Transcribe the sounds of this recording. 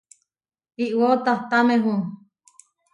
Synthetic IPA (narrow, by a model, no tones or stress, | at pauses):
iʔwot̪aht̪amẽɦũ